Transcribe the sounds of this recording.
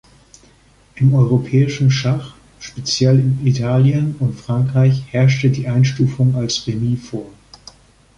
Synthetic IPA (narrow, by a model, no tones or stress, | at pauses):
ʔɪmɔʏʁ̞opʰɛːɪʃn̩ʃaχ | ʃpet͡sjɛlɪnitʰaːljənʊntfʁ̥aŋkʁ̥aɪçhɛɐʃtədiːʔaɪnʃtuːfʊŋalsʁemiːfoːɐ